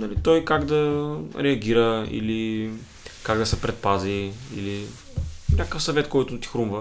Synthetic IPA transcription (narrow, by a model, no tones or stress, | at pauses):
nɐlit̪ɔjkaɡd̪ɐɾɛɐɡʲiɾəḭli | kaɡd̪ɐsɛpɾɛt̪̚paziḭli | nʲakəfsɐvɛt̪kɔjt̪ʊt̪i̥xɾumvə